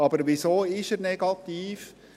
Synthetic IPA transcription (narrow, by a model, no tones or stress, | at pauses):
ɑbəɾʋisoːɪʃəɾnɛɡ̥ɑt̪iːf